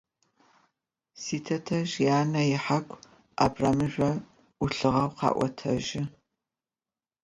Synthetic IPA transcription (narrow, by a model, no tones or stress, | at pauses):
siːtʰɐtʰɐʒjaːnɐjɪħakʷʰʼ | ʔa̰ːbraːmɨʒɐ | ʊɬɨʁɐwqɑ̰ːʔʷɔ̰tʰɐʒɪ